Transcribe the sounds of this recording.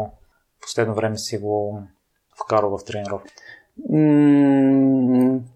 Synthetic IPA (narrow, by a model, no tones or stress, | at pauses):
po̥slɛd̪novɾɛmɛsiɡo | fkaɾəlˠvəft̪ɾɛnɛɾɔf̩